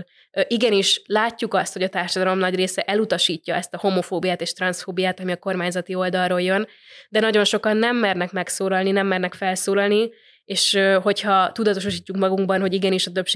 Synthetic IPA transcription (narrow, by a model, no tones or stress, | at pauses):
ʔiɡɛniʃlaːcːukɒst̪ho̞ɟɒt̪aːrʃɒd̪ɒlo̞mnɒɟreːsɛʔɛlut̪ɒʃiːcːɒɛst̪ɒho̞mo̞foːbijaːt̪eːʃt̪rɒnsfoːbijaːt̪ɒmiɒko̞rmaːɲzɒt̪io̞ld̪ɒrroːljø̞n | d̪ɛnɒɟo̞nʃo̞kɒnːɛmːɛrnɛkmɛksoːlɒlninɛmːɛrnɛkfɛlsoːlɒlni | eːʃøɦo̞chɒt̪ud̪ɒt̪o̞ʃoʃ̬iːcːukmɒɡuŋɡbɒnɦo̞ɟiɡɛniʃɒt̪øpʃ